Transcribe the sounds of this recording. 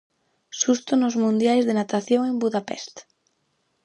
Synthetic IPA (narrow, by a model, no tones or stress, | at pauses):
sust̪onozmũnd̪jajzðenat̪aθjõŋẽmbuðapɛ̰st̪